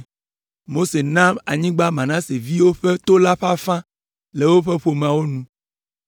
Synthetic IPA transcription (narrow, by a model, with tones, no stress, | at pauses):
mo˦se˨nã˦ma˨ɲĩ˦ɡ͡ba˦mã˨nã˦se˨vi˦wo˦ɸe˦t̪o˦la˦ɸa˦fã˦ | le˨wo˦ɸe˦ɸo˨m˨ã˨wo˦nũ˦